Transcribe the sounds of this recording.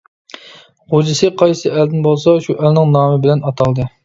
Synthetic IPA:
ʁod͡ʒɪsɨqʰɑjsɨɛld̪ɪnbolˠsɑʃuʔɛlnɪŋnɑːmɨbɪlɛnɑt̪ʰɑlˠd̪ɨ

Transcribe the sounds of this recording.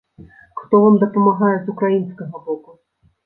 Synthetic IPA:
xt̪ɔvɔmd̪ɐpɐmaɣajɛzukɾajinsʲkɐɣɐbɔku

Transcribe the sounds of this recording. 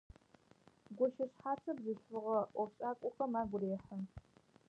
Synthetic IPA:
ɡʷɔʃɐɕħaːt͡sʰɐbzɨɬʊʁɐʔʷɔfɕʼaːkʷʼʊχɐmaːɡʷʊreːħəm

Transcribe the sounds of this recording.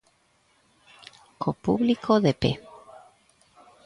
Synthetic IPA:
kʰopuβlikʰoðepe

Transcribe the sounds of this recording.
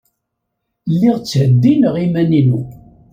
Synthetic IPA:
lːiʁt͡sːʕəd̪ːinəʁimæninu

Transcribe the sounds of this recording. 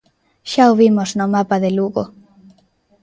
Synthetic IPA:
ʃaoβimoznomapaðeluɣo̰

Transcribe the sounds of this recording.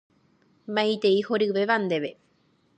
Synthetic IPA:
mãjt̪eihoɾiβeβand̪eβe

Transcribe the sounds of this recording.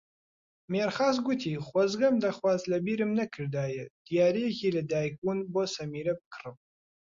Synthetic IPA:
meːrχaːz̬ɡʷʊtʰiːχʷɐzɡɐmdɐχwɑzlɐbiːɾɨmnɐkʰɨrdaːjɛd̥ijaːɾeːɣʲilɐdaːjɡʷunbosɐmiːɾɐp̚kʰɨ̥rɨm

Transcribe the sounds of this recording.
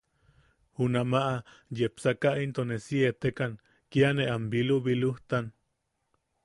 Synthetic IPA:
hunamaʔa | jepsakaʔint̪onesiet̪ekan | kianeʔambiluβiluht̪an

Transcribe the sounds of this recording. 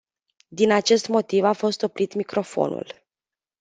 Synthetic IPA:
d̪inat͡ʃe̞st̪mo̞t̪ivafo̞st̪o̞pɾit̪mikɾo̞fo̞̰nṵl

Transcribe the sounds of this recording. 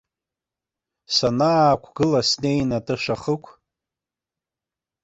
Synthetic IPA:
sanaːkʷʰɡɨlasnejnatɨʂaχəkʷʰ

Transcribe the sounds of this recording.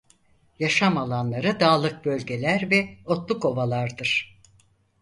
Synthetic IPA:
jaʃamalˠanlˠaɾɯd̪aːlˠɯk̚bø̞lʲɟe̞lʲæɾvɛo̞t̪lˠuko̞valˠaɾd̪ɯɾ̥

